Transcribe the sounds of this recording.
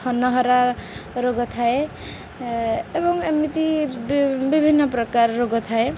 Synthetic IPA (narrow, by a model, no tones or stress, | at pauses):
ɔnːʌɦɔɾaɾoɡɔt̪ʰae | ebɔŋemit̪i | bibʱinːɔpɾɔkarːoɡɔt̪ʰae